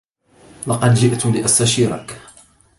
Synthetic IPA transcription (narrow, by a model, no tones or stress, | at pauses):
lɑqɑd̪d͡ʒɪʔt̪ʊlɪʔast̪aʃiːɾˤɑ̰k